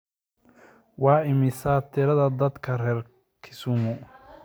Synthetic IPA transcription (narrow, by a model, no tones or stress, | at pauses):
wɑːɪmɪsaːt̪ʰɪɾɐðɐd̪ɐd̪kʰɐrɛːr | kʰɪsʊmʊ